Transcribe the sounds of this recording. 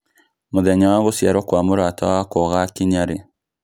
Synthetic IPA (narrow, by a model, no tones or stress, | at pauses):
moðɛɲawaɣosjaɾɔkwamoɾatawakɔɣakiɲaɾe